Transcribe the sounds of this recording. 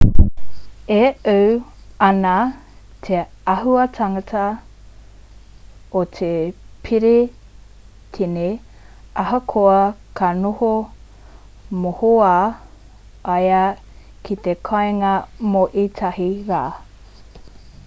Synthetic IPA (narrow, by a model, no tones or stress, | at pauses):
eʔəwɐna | t̪ʰe | ɐɦuɐtʰɐŋɐtʰɐ | otʰepʰiɾe | tʰine | ʔɐɦɐkʰoɐkʰɐnoho | mohoa | ɐjɐ | kʰit̪ekʰɐeŋɐmoʔitʰɐhiɾaː